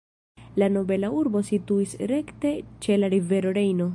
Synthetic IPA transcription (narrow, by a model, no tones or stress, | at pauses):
lano̞be̞lauɾbo̞situisɾe̞kte̞t͡ʃe̞laɾive̞ɾo̞ɾe̞jno̞